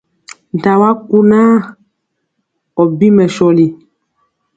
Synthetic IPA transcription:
n˨ta˨wa˦ku˦naː˦ | ɔ˨bi˦mɛ˨ʃɔ˨li˨

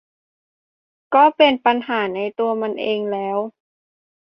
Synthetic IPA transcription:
kɔː˧˥˩pe˨npa˧nɦaː˩˦na˧jt̪u˧ɐma˧nʔeː˧ŋlɛː˦˥w

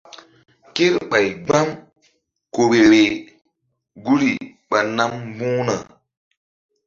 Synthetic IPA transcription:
ke˦ɾɓa˨jɡ͡ba˦m | ko˨ɾe˨ɾe˨ | ɡu˦ɾi˨ | ɓa˨na˦m˦bũː˦na̰˨

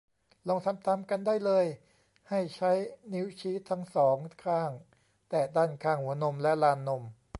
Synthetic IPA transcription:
lo˧ŋsʰa˨˦˥mt̪ʰa˧mka˧ndaː˥˩jlɤː˧j | ha˥˩jt͡ɕʰa˦˥jni˦˥wt͡ɕʰiː˦˥t̪ʰːa˦˥ŋsɔː˩˦ŋkʰaː˥˩ŋ | t̪ɛː˨˩daː˥˩nkʰaː˥˩ŋhu˩˦ɐno˧mlɛ˦˥ʔlaː˧nːo˧m

